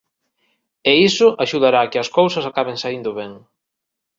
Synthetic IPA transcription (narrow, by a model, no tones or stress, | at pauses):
eisʊʔaʃuðaɾaːkɪɐskowsɐsakaβeŋsaind̪ʊβɛŋ